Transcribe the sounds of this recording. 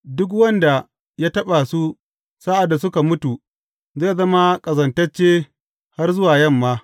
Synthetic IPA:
dʊ˦k̬wɐ˦nda˨ | jaː˦tɐ˦ɓa˨su˦ | saː˦ʔa˨dːa˨sʊ˦ka˨mʊ˦tu˨ | zeː˦˨zɐ˦ma˦kʼɐ˨zɐ˨ntɐ˦t͡ʃːeː˦ | ha˦rzʊ˦waː˨jɐ˦˨mːaː˦

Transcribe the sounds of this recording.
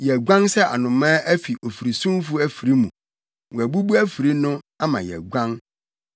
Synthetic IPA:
jɛ˨ɡʷã˦nsɛ˦ʔa̰˨nʊ̃˨mã˦ʔæ˦fi˨ʔo˨fi˨ɾi˨sũ˦mfu˦æ˦fi˨ɾi˦mũ˨ | wɔ̃˨æ˨bu˦bu˦æ˦fi˨ɾi˦nʊ̃˦ | a˦mã̰˨jɛ̰˨ɡʷã˦n

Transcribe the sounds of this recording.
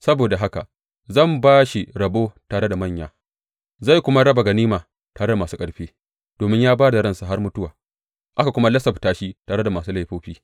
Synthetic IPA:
sɐ˦boː˨da˨ɦa˦ka̰˨ | zɐ˦˨mbaː˦ʃi˨ɾɐ˨boː˦taː˨ɽe˦da˨mɐ˦˨ɲjaː˨ | za˦˨jkʷʊ˦ma˦ɽɐ˦ba˨ɡɐ˨niː˦maː˨ | taː˨ɽe˦da˨maː˨suː˦kʼɐ˨ɽɸeː˦ | d̥oː˨mɪ˦ɲjaː˦baː˦da˨ɾɐ˦˨nsa˨ɦa˦rmʊ˦tʊ˦waː˨ | ʔa˦ka˨kʷʊ˦ma˦lɐ˦sɐ˨btaː˦ʃi˦taː˨ɽe˦da˨maː˨suː˦la˦jɸoː˦ɸiː˦

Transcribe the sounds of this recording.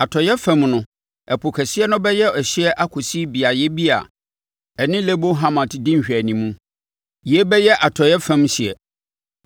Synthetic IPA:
a˨tʰɔ˨jɛ˦fɛ̃˨mnʊ̃˦ | ɛ˨pʰo˨kʰɛ˨si˦ɛ˦nʊ̃˦bɛ˦jɛ˦ɔ˨ɕi˦ɛ˦ʔa˦kʰo˨si˦bi˨a˨jɛ˦bi˦a̰˨ | ɛ˨nɪ̃˦le˦bo˦ɦã˦mã˨tʰɪ˨dɪ̃˦ɲ̩˨ɕᶣæ˨nĩ˨mũ˦ | jɛ˦bɛ˦jɛ˦ʔa˨tʰɔ˨jɛ˦fɛ̃˦mɕi˨ɛ˨

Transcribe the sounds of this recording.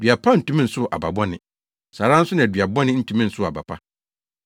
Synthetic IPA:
dɥa˨pʰa˦n̩˨tũ˦mĩ˦n̩˨sʊ˦˨ʔa̰˨ba̰˨bɔ˦nɪ̃˨ | sa˨ɾã˦n̩˦sʊ˦nɪ̃˨dɥa˨bɔ˦nɪ̃˦n̩˦tʰũ˨mĩ˦n̩˨sʊ˦˨a̰˨ba˨pʰa˦

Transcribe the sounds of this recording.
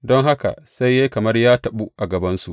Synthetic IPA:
dɔ˦ŋɦa˦ka̰˨sa˦jːa˦jkɐ˨mɐ˦rjaː˦tɐ˨ɓu˦ʔa˨ɡɐ˨bɐ˦nsu˨ʔ

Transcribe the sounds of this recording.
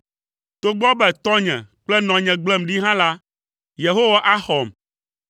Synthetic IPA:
t̪o˨ɡ͡bɔ˦bɛ˨t̪ɔ˦ɲɛ̰̃˨k͡plɛ˦nɔ̃˨ɲɛ̃˨ɡ͡blɛ˦mɖi˦ɦã˦la˦ | je˨ɦo˦wa˦ʔa˦xɔ˨m

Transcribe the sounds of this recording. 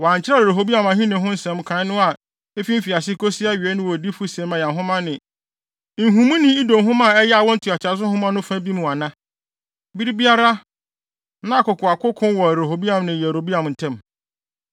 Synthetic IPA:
wɔ˨a˨ɲ̩˨t͡ɕʰɪ˦ɾa˦˨ɾo˨ɦo˨bi˦ã˨mã˨hĩ˦nɪ̃˨ɦʊ̃˦n̩˦sɛ̃˨mkʰã˨˦nʊ̃˦a˨ | e˦fi˦m̩˦fi˨a˨s̬ɪ˦ko˦si˦a˦ɥi˨ɛ˦nʊ̃˦wɔ˨di˦fʊ˦sɛ̃˨˦mã˨jɛ̃˨nɦʊ̃˦mã˦nɪ̃˨ | n̩˨ɦũ˨˦mũ˦nɪ̃˨i˦dõ˨m˨ɦʊ̃˦mã˦˨ɛ˦jɛ˦a˨wɔ̃˦n̩˦tʰu˨a˨t͡ɕʰɪ˨a˨s̬ʊ˦hʊ̃˦mã˦nʊ̃˦fã˦bi˦mũ˨a˨nã˦ | bi˦ɾi˦bi˦a˦ɾa˦ | nã˦˨kʊ˨kʰʊ˨a˨kʊ˦kʰʊ̃˦n˦wɔ˨ɾo˨ɦo˨bi˦ã˨mnɪ̃˨jɛ˨ɾo˨bi˦ã˨m˨n̩˨tʰɛ̃˦m

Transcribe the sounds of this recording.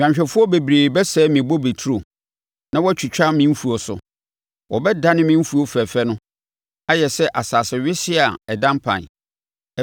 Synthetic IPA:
ã˨ɲɕᶣɛ˨fʊ˦ɔ˦be˨bɾeː˨bɛ˦sɛ˦mĩ˨bo˦be˨tʰu˦ɾo˨ | nã˦wɔ˦t͡ɕʰᶣi˨t͡ɕᶣa˦mɪ̃˦m̩˦fu˨o˨sʊ̰˨ | wɔ˨bɛ˦da˦nɪ̃˦mɪ̃˦m̩˦fu˨˦o˦fɛ˨fɛ˦nʊ̃˦ | a˦jɛ˨sɛ˦ʔa˨saː˨sɪ˨ɥɪ˦sɪ˦a˨ɛ˨dã˦mpʰã̰˨n

